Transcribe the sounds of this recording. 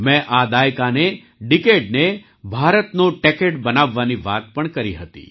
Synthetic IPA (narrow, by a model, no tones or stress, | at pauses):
mɛ̃ʔad̪ajkane | ɖɪkeɖ̚ne | bʱaɾət̪noʈɛkeʈbənaʋːaniʋat̪̚pəɳkəɾiɦət̪ḭ